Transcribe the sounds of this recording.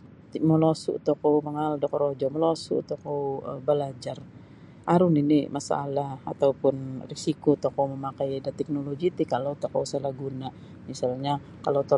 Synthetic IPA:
t̪məlosʊ̰ʔt̪okowməŋaldɔkɔɾod͡ʒɔməlosṵʔt̪okowəbəlad͡ʒar | aɾʊninimasa̰laa̰t̪awpʊnrisikot̪okowməmakajdat̪ɛk̚noloɡit̪ikalowt̪okowsəlahɡuna | misalɲa | kalowt̪o

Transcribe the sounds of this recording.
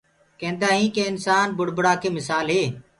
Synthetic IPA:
kẽːnd̪aːɦĩːkeːɪnsaːnbʊɽ̤bɽaːkʰeːmɪsaːlɦeː

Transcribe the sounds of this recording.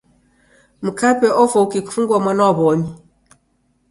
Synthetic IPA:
m̩kapɛʔɔfokikʰuŋɡwɔmɔnɔbɔmi

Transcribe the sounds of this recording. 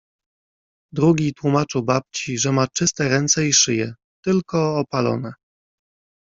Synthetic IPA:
d̪ɾuɡʲit̪wumat͡ʂɘwbap̚t͡ɕiʐɛmat͡ʂɘst̪ɛɾɛnt̪sɛiʂɘjɛ | t̪ɘlkɔːpalɔ̰nɛ

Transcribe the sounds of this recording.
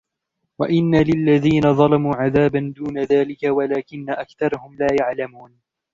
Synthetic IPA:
waʔɪnːalɪlːaðiːnaðˤɑlɑmuːʕaðaːband̪uːnaðaːlɪkawalaːkɪnːaʔakθɑɾˤɑhʊmlaːjaʕlamuːn

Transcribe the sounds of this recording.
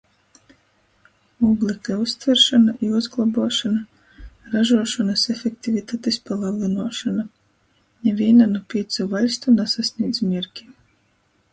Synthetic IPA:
ublʲˠikaust̪vʲɛɾʃanaʔiuzɡlˠabuɔʃana | ɾaʒuɔʃanasefʲekt̪ʲivʲit̪aːt̪espalˠablˠinuɔʃana | nʲɛvʲiɛnanupʲiɛt̪savalʲst̪unasasʲnʲiːd̪zmʲiɾkʲi̥

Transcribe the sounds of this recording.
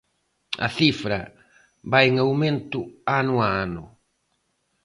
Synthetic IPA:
ɐ̰θifɾɐ̰ | βajeŋawmẽnt̪ʊanʊaanʊ̰

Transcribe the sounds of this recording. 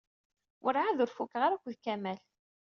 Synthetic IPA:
wʔəɾʕaðʊɾfukːʁaɾækʷːðkæmæl

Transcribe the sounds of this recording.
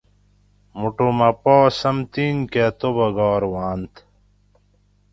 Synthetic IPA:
muʈomɐpɔːsɐmt̪iːnket̪obɐɡɔːɾwaːnt̪ʰ

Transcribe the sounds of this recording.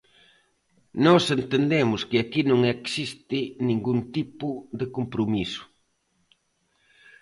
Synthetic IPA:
nɔsent̪end̪emʊskɪakinõŋeksist̪ɪnĩŋɡunt̪ipʊd̪ɪkompɾomisʊ̥

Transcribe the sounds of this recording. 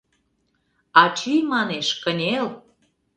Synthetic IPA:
ɑt͡ɕijmɑneʃkənʲel

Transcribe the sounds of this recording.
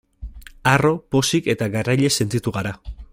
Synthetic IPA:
aropo̞sike̞t̪aɡarajʎe̞se̞nt̪it̪uɣaɾa

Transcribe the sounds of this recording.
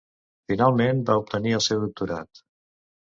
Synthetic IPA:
finalˠmenbaup̚t̪əniəlˠsɛwðuk̚t̪uɾa̰t̪

